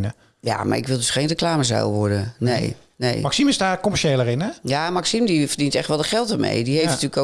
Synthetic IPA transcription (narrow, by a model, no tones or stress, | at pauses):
nə | ja̰ma̰rɪkʋɪlˠdɵsχenrəklaːməzɛ̰lˠʋɔɹdənḛj | nḛjmɑksimɪzdaːɹkɔmɛʃelərɪnɛjamaksimdivərdintɛxtʋɛlˠdəχɛlˠtəɹmḛjdiɦejftnətyːləko